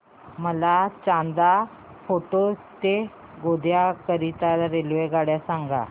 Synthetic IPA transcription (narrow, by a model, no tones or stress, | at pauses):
məlat͡ɕãnd̪a | foʈot̪e | ɡod̪ʱjakəɾit̪alɾelʋeɡaɽjasãŋɡa̰